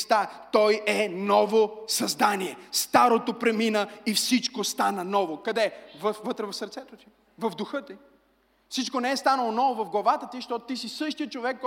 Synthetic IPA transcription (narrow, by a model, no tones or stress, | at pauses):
st̪at̪ɔjɛnɔvosɐzd̪aniɛst̪aɾot̪opɾɛminəifsit͡ʃkost̪anənɔvokɐd̪ɛvəfːɤt̪ɾɛvɐfsəɾt̪sɛt̪ot̪i̥ | vɐvd̪ʊxɤt̪i | fsit͡ʃkonɛɛst̪anəlˠonɔvovɐvɡlˠɐvat̪ət̪iʃt̪ɔt̪ot̪isisɤʃt̪ijət͡ʃovɛkːɔ